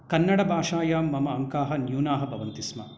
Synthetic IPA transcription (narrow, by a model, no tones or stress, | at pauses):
kɐnːɐɽɐbʱaːʂaːjaːmːɐmɐːŋkaːɦɐnjuːnaːɦɐ̆bʱɐʋɐnt̪ismɐ